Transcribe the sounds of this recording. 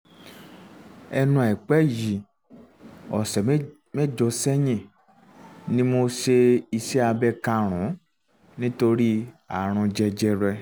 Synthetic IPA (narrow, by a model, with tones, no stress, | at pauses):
ɛ˧nũ˧˦a˨i˨k͡pɛ˦ji˨ | ɔ˨sɛ˨˦ | mɛ̃˦˨d͡ʒɔ˧sɛ˦jĩ˦˨ | nĩ˦mo˧ʃe˧i˧se˦a˧bɛ˦˧kã˧ɾ̃ũ˨˦ | nĩ˦to˧ɾi˦a˨ɾ̃ũ˧d͡ʒɛ˧d͡ʒɛ˧ɾɛ˧